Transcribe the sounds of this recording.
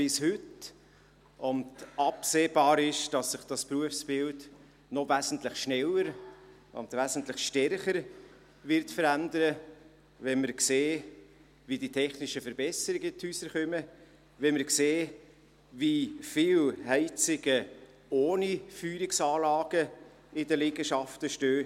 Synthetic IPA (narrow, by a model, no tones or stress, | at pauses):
pɪshʏt | ʊndɑpseːbɑːɾɪʃd̥ɑsːɪχd̥ɑspɾuəfsb̥ɪld | nɔvæzn̩t̪lɪχʃnɛləɾ | ʊ̰ndvæzən̩tlɪχʃtɛɾχəɾ | vɪɾtfəɾændəɾə | vɛnməɾkseː | viditʰɛχnɪʃəfəɾbɛsəɾɪɡətʰhysəɾχœmə | ʋɛməɾkseː | vifɪlhɛɪt͡sɪɡə | oːnifyːɾɪksɑːlɑːɡ̥ə | ɪdəlɪɡəʃɑftəʃtøː